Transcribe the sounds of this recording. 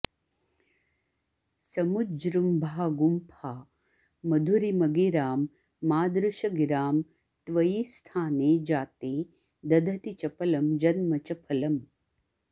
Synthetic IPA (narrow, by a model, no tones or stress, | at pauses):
sɐmud͡ʒɾumbʱaːɡumpʰaː | mɐd̪ʱuɾimɐɡiɾaːmː | aːd̪ɾuʃɐɡiɾaːm | t̪ʋɐjist̪ʰaːneːd͡ʒaːt̪eː | d̪ɐd̪ʱɐt̪it͡ʃɐpɐlɐmd͡ʒɐnmɐt͡ʃɐpʰɐlɐm